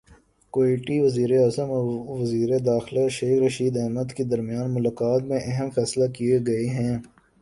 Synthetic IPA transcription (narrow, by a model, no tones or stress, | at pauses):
koeːʈiʋɐziːɾeaːzəmʋɐziːɾed̪aːxlaʃeːxɾɐʃiːd̪ɛɦməd̪ked̪ɐɾmɪjaːnmʊlaːkaːt̪mẽʔɛɦəmfɛːslakieɡɐeɦɛ̃ː